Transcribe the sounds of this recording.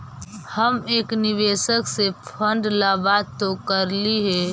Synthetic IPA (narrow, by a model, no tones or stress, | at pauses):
həmeːknɪʋeːʃəksepʰə̃ɳɖlabaːd̪t̪okəɾliɦɛː